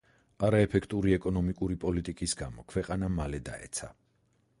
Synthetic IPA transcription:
aɾaɛpʰɛkʰt̪ʼuɾiɛkʼɔnɔmikʼuɾipʼɔlit̪ʼikʼisɡa̰mɔkʰwɛqʼanamalɛd̪a̰ɛ̰t̪sʰa

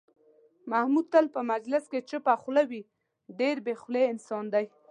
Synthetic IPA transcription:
mahmud̪̚t̪əlpəmad͡ʒlɪsket͡ʃəpaχlawi | ɖeɾbexleɪnsɑnd̪aj

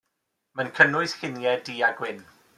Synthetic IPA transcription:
mankʰənʊɨθhɪnjɛdiːaɡwɪn

